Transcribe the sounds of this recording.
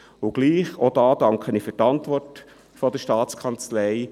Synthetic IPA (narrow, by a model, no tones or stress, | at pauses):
ʊɡ̥liːχod̥ɑːd̥ɑŋkʰəniːfytɑntʋɔrt | fɔd̥̪əʃtɑːt͡skʰɑnt͡slɛɪ